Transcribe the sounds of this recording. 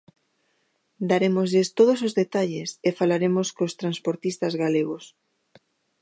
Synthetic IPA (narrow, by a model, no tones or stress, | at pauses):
d̪aɾemozʎest̪oð̞osozðet̪aʎesefalaɾemoskost̪ɾanspoɾt̪ist̪azɣaleɣ̞os